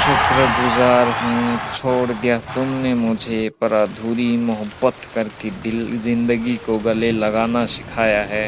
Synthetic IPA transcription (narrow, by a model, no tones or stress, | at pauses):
t͡ʃʊt̪ɾəɡʊzaːɾɦũt͡ʃʰoːɽd̪ijat̪ʊmnemʊd͡ʒʱepɐɾaːd̪ʱuːɾimʊɦəbːət̪kɐɾked̪ɪlzɪ̃nd̪əɡikoɡɐlelɐɡaːnaʃɪ̥kʰaːjaɦɛː